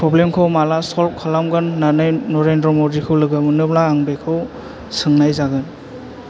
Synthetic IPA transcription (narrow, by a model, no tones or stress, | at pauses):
pʰɾɔblemkʰɯwmalasɔl̚kʰɔlamɡɯnːanɯjnɔɾendɾɔmɔdikʰɯwlɯɡɯmɯnɯblaːŋbekʰɯw | sɯŋnajzaɡɯn